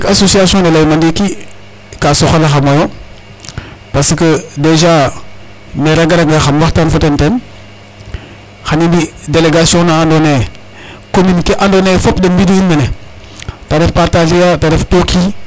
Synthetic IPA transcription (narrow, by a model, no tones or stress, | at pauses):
kasosiasiõnelaimandiki | kasoxalaxamajo | pasəkədeʒa | meɾaɡaɾaɡaxamwatanfotanten | xaninbideleɡasiõnaandone | kominikeʔandonefopdembidiinmane | tadefpataɮijatadeftokʰi